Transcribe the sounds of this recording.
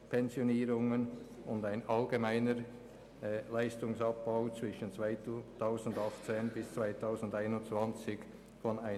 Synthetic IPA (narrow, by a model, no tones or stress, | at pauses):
pʰɛnzjoniːɾʊŋən | ʊndaɪnɑlɡemaɪnəɾ | laɪstʊŋsɑp̚b̥ɑʊt͡svɪʃənt͡svaɪtʰaʊzn̩dɑχtt͡seːnbɪst͡sv̥aɪtʰaʊzn̩daɪnʊnt͡sv̥ɑnt͡sɪk | fɔnaɪ